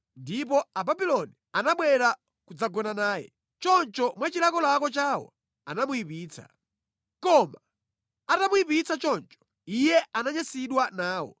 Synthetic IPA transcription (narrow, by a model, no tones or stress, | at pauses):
ndip̬ɔababilɔnianaɓwɛɾa | kud͡zaɡɔnanaːjɛ̰ | t͡ʃɔnt͡ʃɔmwat͡ʃilakɔlakɔt͡ʃaːwɔ̰ | a̰namuipiːt͡sʰa̰ | kɔma | atamuipit͡sat͡ʃɔnt͡ʃɔ̥ | ijɛanaɲasiɗwanaːwɔ̰